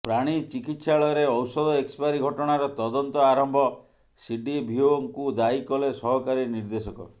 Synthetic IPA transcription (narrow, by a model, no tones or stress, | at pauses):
pɾaɽ̃it͡ʃikit̪saɭɔɔɾeɔwsɔd̪ɔekspaɾiɡʱɔʈɔɽ̃aɾɔt̪ɔd̪ɔnt̪ɔaɾɔmbʱɔ | siɖibʱioɔŋkud̪aikɔlesɔɦɔkaɾiniɾd̪esɔkɔ̰